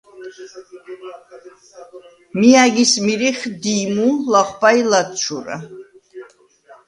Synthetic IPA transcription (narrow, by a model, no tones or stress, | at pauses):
miaɡismiɾiχd̪imulaχʷpailat̪ʃʰuɾa̰